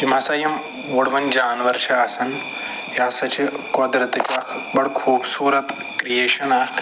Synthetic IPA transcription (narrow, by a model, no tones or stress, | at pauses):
kimɐsajɐm | ʋoɽʋɐnd͡ʒaːnʋɐɾʃaːsɐn | jjaːsɐt͡ʃekɔːd̪ɾɐt̪ikakʰbɐɽkʰuːbsuːɾɐt̪ | kɾijeːʃɐna